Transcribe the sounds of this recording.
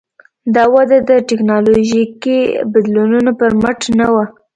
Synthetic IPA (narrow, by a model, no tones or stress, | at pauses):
d̪ɑwad̪ad̪əʈɪknɑloʒikibɪd̪lonunopəɾməʈnawa